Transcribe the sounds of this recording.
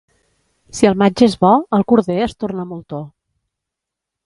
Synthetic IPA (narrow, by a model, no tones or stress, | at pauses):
siəlˠmad͡ʒəezβɔəlˠkuɾðeəst̪oɾnəmolˠt̪o